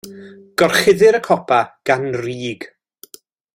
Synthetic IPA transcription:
ɡ̥ɔrχɪðɪɾəkʰɔpʰaɡ̥anriːɡ

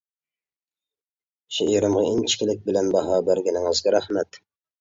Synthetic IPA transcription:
ʃeiɾɨmʁɑint͡ʃʰi̥kʲɪlɪk̚ʲbɪlɛnbɑɦɑːbæɾɡʲɪnɪŋɨzɡʲɑɾæhmɛt̪

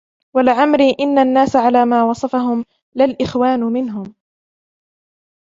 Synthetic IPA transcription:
walɪʕamɾiːʔɪnːanːaːsaʕalaːmaːwɑsˤɑfaɦʊm | lɪlʔɪxwaːnmɪnɦʊm

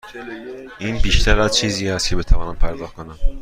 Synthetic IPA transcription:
ʔiːnbiːʃt̪ʰæɾæzt͡ʃʰiːziːæst̪cʰe̞be̞t̪ʰævɒːnæmpʰæɾd̪ɒːhkʰo̞næm

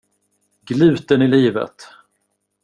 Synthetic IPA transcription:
ɡlʉ̟ːt̪ənɪliːvə̰t̪

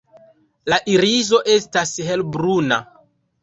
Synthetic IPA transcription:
laʔiɾizo̞ʔe̞stasɦe̞lbɾuna̰

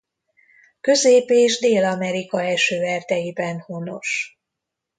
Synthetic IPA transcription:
kø̞zeːpeːʒd̪eːlɒmɛɾikɒɛlʃøːvɛrt̪ɛjibɛnhono̞ʃ

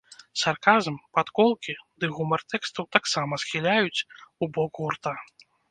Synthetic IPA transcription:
sarkazɐmpat̪kɔlˠkʲid̪ɨɣumɐrt̪ɛkst̪ɐwt̪aksamɐsxʲilʲajut͡sʲubɔkɣurt̪a

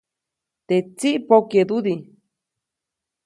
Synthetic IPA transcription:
t̪et͡siʔpoked̪uði

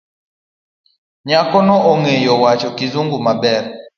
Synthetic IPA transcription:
ɲakɔnɔʔɔŋejɔwat͡ʃɔkizuŋɡumabɛɾ

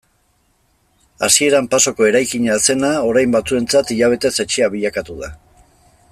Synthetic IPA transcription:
asie̞ɾampaso̞ko̞e̞ɾajkiɲase̞nao̞ɾajmbat͡sue̞nt͡sat̪iʎaβ̞e̞t̪e̞set͡ʃiaβiʎakat̪uða

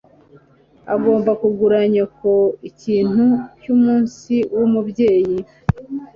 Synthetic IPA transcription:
a̰ɡo̞ːmbakuɡuɾaɲako̞iciːn̥hucumuːnsiwumubje̞ːji

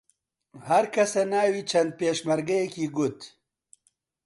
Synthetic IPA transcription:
hɐɾkʰɐsɐnaːwit͡ʃʰɐnd̪̚peːʃmɐɾɡɐjekiːɡʊt̪

